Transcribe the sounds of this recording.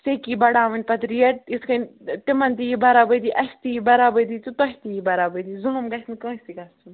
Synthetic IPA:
sekiːbɐɽaːʋɨnʲpɐt̪ɾijɐiskɐnʈɪmɐnt̪ijibɐɾaːbəd̪iʔɐst̪ijibɐɾaːbəjd̪iːt̪ut̪ɔɦʲt̪ijibɐɾabəd̪izulumɡɐsnkə̃ːsʲt̪iɡɐst̪un

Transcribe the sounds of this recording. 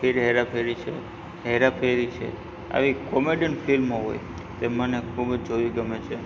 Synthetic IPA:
feɾɦeɾapʰeɾit͡ʃʰe | ɦeɾapʰeɾit͡ʃʰḛ | a̰ʋikomeɖəɳfʰilmoɦo̰j | t̪emanekʰubəd͡ʒd͡ʒoʋiɡəmet͡ʃʰe

